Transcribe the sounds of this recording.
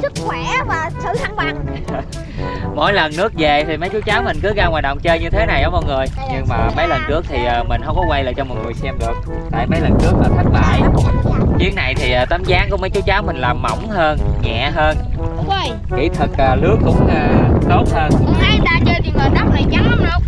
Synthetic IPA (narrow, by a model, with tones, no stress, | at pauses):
sɨ˦˥k̚xwɛ˧˩vaː˨˩sɨ̰˧˩t̪ʰa˧˩˦ŋɓaː˨˩ŋ | mo̰˧˥jlə˨˩nːɨ˦˥ək̚ze˨˩t̪ʰi˨˩mə˨˦jt͡ɕu˨˦wt͡ɕaː˨˦wmï˨˩ŋ̟kɨ˨˦ɣaː˧waː˨˩t̚ɗə̰˧˨wŋ͡mt͡ɕəː˧ɲɨ˧t̪ʰe˨˦na˨˩jɗɔ˨˦mɔ̰˧˨˩ŋɨ˨˩əj | ɲɨ˧ŋmaː˨˩mə˨˦jlə˨˩nkɨ˦˥ək̚t̪ʰi˨˩ʔəː˨˩mï˨˩ŋ̟ɦə˧wŋ͡mkɔ˨˦kwa˧jlaː˨˩t͡ɕɔ˧mɔ˨˩t̚ŋɨ˨˩əjsɛ˧mɗɨ˨˩ək̚ | t̪a̰ː˧jmə˨˦jlə˨˩ntɨ˦˥ək̚maː˨˩t̪ʰä˦˥k̟̚ɓa̰ː˧˨jt͡ɕi˨˦əŋna˨˩jt̪ʰi˨˩ʔaː˨˩t̪ə˨˦mzaː˨˦ŋku˧˩mə˨˦jt͡ɕu˨˦t͡ɕaː˨˦wmï˨˩ŋ̟laː˨˩mːa̰˧˩wŋ͡mɦəː˧nŋɛ̰˧˨ɦəː˧nː˧ | j | kḭ˧˩t̪ʰɨ˨˩k̚ʔaː˨˩lɨ˨˦˥əkːʊ̰˧˥ŋ͡mʔaː˧t̪o˦˥t̚həː˧n˧ʔa˨˧˦jɗa̰ː˧˥t͡ɕəː˧ɗi˧vəː˨˩ɗ̪a˨˥m̚nə˨˩jt͡ɕa˨˦˧lə˧ŋ͡m